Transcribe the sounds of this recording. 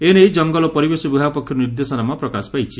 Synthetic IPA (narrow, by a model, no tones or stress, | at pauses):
ened͡ʒɔŋɡɔlɔpɔɾibesɔbuɦapɔkʰjɔɾniɾd̪esɔnamɔpɾɔkasɔ̥pajt͡ʃʰi